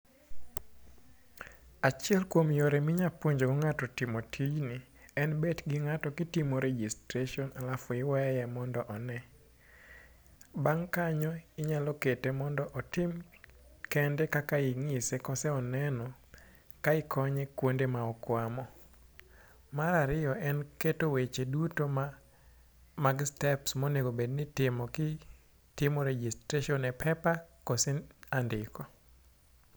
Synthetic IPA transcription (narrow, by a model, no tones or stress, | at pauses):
at͡ʃɪɛlkwomjoɾemɪɲapoɲd͡ʒoɡɔŋatɔtimotʰid͡ʒni | ɛnbetɡɪŋatɔkitimoɾed͡ʒistɾeʃɔnalafʊɪwɛjɛmɔndɔʔɔnɛ | baŋkaɲɔɪɲalɔketemɔndɔʔɔtimkɛndɛkakaiŋisekɔsɛɔnɛnɔ | kaɪkʰɔɲekwondemaɔkwamɔ | maɾaɾɪjɔʔɛnketowet͡ʃedutom | maɡstɛpsmoneɡobednɪtɪmɔkɪ | tɪmɔɾed͡ʒistɾeʃiɔnɛpʰɛpakɔsɛandɪkɔ